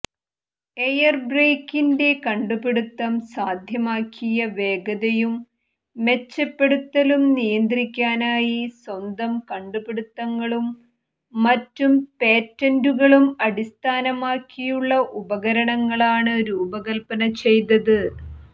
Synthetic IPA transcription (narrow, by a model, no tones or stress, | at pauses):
e̞jɐrbreːkːinde̞kɐɳɖupeɽut̪ːɐmsaːd̪ʱjɐmaːkʰːijɐʋe̞ːɡɐðɐjumː | e̞t͡ɕːɐpːe̞ɽut̪ːɐlumnijɐnd̪rikʲːaːnaːjiswɐnd̪ɐmkɐɳɖupeɽut̪ːɐŋːɐɭumː | ɐtːumpe̞ːtːɐnduɣɐɭumɐɽist̪ʰaːnɐmaːkːijuɭːɐʔubɐɣɐɾɐɳɐŋːɐɭaːɳɨɾuːbɐɣɐlpɐnɐt͡ɕe̞jt̪ɐðɨ